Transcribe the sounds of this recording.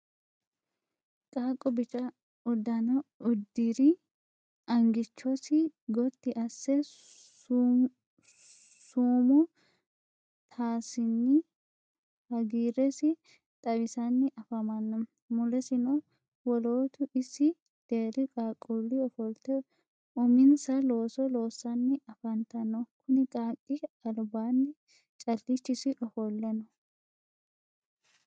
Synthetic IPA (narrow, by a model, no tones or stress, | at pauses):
kʼaːkʼːɔbɪt͡ʃʼɐ | ʊd̪ːɐnɐʊd̪ːiɾɪ | ʔɐŋɡɪt͡ʃːɔsɪɡɔt̪ːɪʔɐsːɛ | suːmɔ | t̪ʰaːsɪnːɪ | hɐɡiːɾɛsɪ | t̪ʼɐbɪsɐnːɪʔɐfɐmɐnːɔ | mʊlɛsɪnɔ | wɔloːt̪ʊʔɪsɪ | d̪̥e̞ːɾɪkʼaːkʼːulːɪɔfɔlt̪ɛ | ʊmɪnsɐlo̞ːsɔlo̞ːsːɐnːɪɐfɐnt̪ɐnːɔkʰʊnɪkʼaːkʼːɪɐlbaːnːɪ | t͡ʃʼɐlːɪt͡ʃːɪsɪʔɔfɔlːɛnɔ